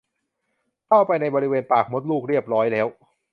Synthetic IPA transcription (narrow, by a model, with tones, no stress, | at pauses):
k̪ʰa˥˩wpa˧jna˧jbɔː˧ɾi˦˥weː˧npaː˨˩k̚mo˦˥t̪̚luː˥˩k̚ɾi˥˩əp̚ɾɔː˦˥jlɛː˦˥w